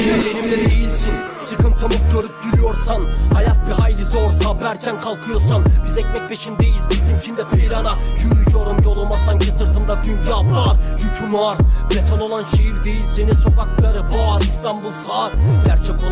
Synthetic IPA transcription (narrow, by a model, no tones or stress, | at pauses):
elʲenimd̪ɛd̪e̞jilʲsin | sɯkʰɯnt̪ʰɯmɯzɟøɾyp̚ɟyɾʲyjo̞ɾsanhajat̪̚biɦajlʲizoɾsabæɾcʰænkʰalˠkʰɯjo̞ɾsanbizɛcmɛc̚pʰe̞ʃind̪ejizbisimt͡ʃʰind̪ɛpʰejɾanajyɾyjoɾumjo̞lˠumasaɲcʰisɯɾt̪ʰɯmd̪at͡ʃ̪ʰyɲcʰiafɾˠaɾjycʰynuaɾblet̪ʰono̞lˠanʃejiɾd̪e̞jilʲseniso̞kak̚lˠaɾɯbuaɾist̪ʰanbulˠsaːɾɟæɾt͡ʃʰɛko